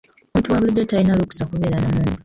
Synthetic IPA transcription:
untuwaβulidːetainaluku̥sakuβeːɾanamuːndu

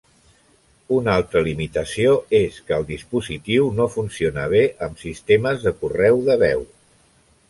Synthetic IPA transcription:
unalˠt̪ɾəlimit̪əsioeskəːlˠd̪ispuzit̪iwnofunsionəβ̞eʔəmsist̪eməzðəkurɛwðəβɛw

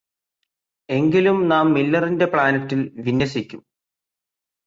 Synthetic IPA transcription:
e̞ŋɡilumnaːmːilːɐrinde̞pɭaːnɐtːilʋinːjɐsikʲːum

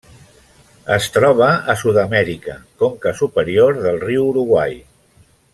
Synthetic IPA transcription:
əst̪ɾɔβ̞əəsuðəmɛɾikəkoŋkəsupəɾioɾðəlˠriwuɾuɣwaj

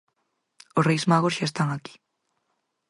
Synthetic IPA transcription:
orejzmaɣosʃaest̪aŋaki̥

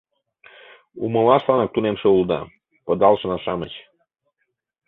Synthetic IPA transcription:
uməlɑʃlˠɑnɑk̚t̪unemʃeuld̪ɑ̰ | pəd̪ɑlʃənɑʃɑmət͡ɕ

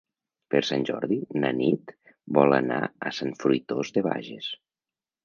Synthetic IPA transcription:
peɾsanʲʒɔɾðinənit̪ | bɔləna̰əsanfɾujt̪ozðeβa̰ʒes

